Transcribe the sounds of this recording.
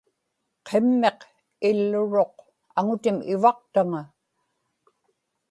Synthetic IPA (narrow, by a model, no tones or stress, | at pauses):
qʰe̞mːe̞q | ɪlːʊɻo̞q̚ | aŋʊt̪ɪmɪvɑq̚t̪aŋa